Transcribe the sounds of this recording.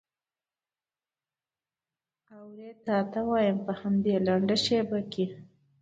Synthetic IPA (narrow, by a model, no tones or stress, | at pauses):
awɾet̪ɑt̪awɑjəmpəhamd̪elaɳɖaʃebake